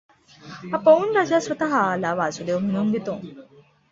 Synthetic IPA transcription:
ɐpɐunɾɐd͡ʒaːsʋɐt̪ɐɦalaːʋaːzud̪euɦunuŋɡet̪uŋ

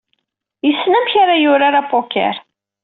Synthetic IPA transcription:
jəsːnæmçaɾajʊɾaɾapokɛ̰ɾ

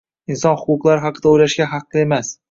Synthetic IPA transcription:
ɪnsɒnhʊqʊqlˠaɾɪɦɑqʰɨd̪aojlaʃɡʲaɦɑqlˠɪe̞mas

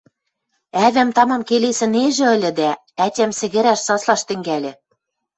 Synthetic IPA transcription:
æβæmt̪ɑmɑmkelesɘ̆neʒɘ̆ɤ̆lʲɘ̆d̪æ | ætʲæmsɘ̆ɣɘ̆ɾæʃsɑslɑʃt̪ɘ̆ŋɡælʲɘ̆

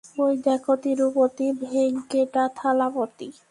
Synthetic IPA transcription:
pojd̪akot̪iɾupot̪ibʱeŋkeʈat̪ʰalapot̪i

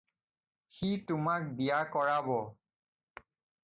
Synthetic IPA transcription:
xitʊmak̚bijakɔɹabɔ

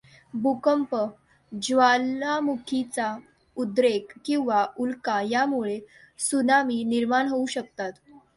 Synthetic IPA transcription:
bukəmpə | d͡ʑʋalːamukʰit͡sa | ud̪ɾekːĩw̃ʋaulkajamuɭe | sunamiːniɾmaɳɦouɕək̚t̪at̪

